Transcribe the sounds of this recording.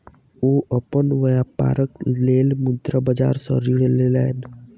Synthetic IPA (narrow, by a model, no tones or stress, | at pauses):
oːəpənʋəjapa̰ːɾəkleːlmʊd̪ɾabəd͡ʒa̰ːɾsə̰ɾiːɽelela̰n